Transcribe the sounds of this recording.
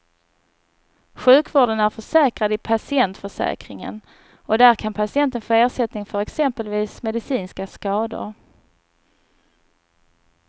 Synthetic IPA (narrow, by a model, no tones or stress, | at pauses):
ɧʉ̟ːkvoːɖənæɾfœʂɛːkɾad̪ɪpʰasɪɛnt̪fœʂɛ̰ːkɾɪŋə̰n | ɔd̪æɾkʰanpʰasɪɛnt̪ənfoːeːʂɛt̪nɪŋfœɾɛksɛmpəlviːsmɛd̪ɪsiːnskaskɑːd̪ʊ̰ɾ